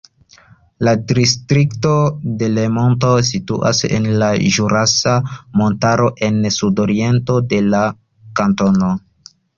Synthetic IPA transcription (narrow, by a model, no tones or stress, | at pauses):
ladɾistɾikto̞de̞lemo̞nto̞sitṵʔa̰sḛnlaʒuɾasamo̞ntaɾo̞ʔe̞nsudoɾie̞nto̞de̞la | kanto̞no̞